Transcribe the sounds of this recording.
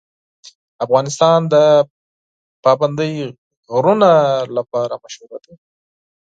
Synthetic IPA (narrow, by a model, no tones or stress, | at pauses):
afɣɑnɪst̪ɑnd̪ə | pɑband̪əj | ɣɾunalapɑɾamaʃuɾad̪a